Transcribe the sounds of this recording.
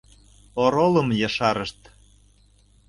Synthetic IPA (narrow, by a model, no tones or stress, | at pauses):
oɾolɤ̆mjɤ̆ʃɑɾəʃt̪